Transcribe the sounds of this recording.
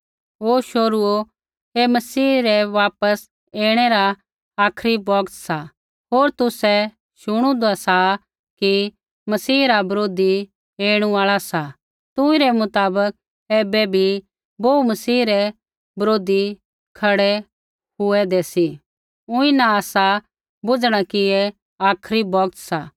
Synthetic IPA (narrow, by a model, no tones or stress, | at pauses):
ɦoːʃoːɾuo | emɐsiːɾɛʋaːpəs | eːɽ̃ɛɾa | aːkʰɾibɔːɡt̪sa | ɦoːɾt̪ʊsɛ | ʃʊɽ̃ũd̪asa | ki | mɐsiːɾabɐɾoːd̪i | eːɽ̃uaːɭasa | t̪ʊ̃ĩɾɛmʊt̪aːbək̚ | eːbɛbʱi | boːumɐsiːɾɛ | bɐɾoːd̪i | kʰɐɽɛ | ɦʊɛd̪ɛːsi | ʊ̃ĩnaaːsa | bʊd͡ʒɽ̃akiɛ | aːkʰɾibɔːɡ̚t̪saː